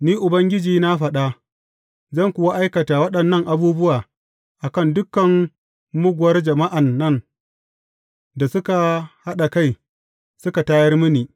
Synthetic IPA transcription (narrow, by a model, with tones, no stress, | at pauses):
niː˦ʔʊ˨bɐ˦ŋɡʲɪ˦d͡ʒiː˨na˦ɸɐ˨ɗa˦ | zɐ˦˨ŋkʷʊ˨wa˦ʔa˦jkɐ˨taː˨wɐ˦ɗɐ˨nːɐ˦ŋʔa˨buː˦bʊ˦waː˨ | ʔa˨kɐ˦˨ndʊ˦kːɐ˨ŋ | mʊ˦ɡʷʊ˨wɐ˦rd͡ʒɐ˨ma˦ʔa˨nːɐ˦n | da˨sʊ˦ka˨ha˦ɗa˨ka˦˨j | sʊ˦ka˨taː˦jɐ˦rmɪ˦niː˨